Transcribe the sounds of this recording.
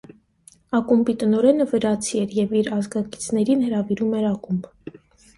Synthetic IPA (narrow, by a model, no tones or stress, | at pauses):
ɑkumbit̪ənɔɾɛnəvəɾɑt͡sʰiɛɾjɛviɾɑzɡɑki̥t͡sʰnɛɾinhəɾɑviɾumɛɾɑkumb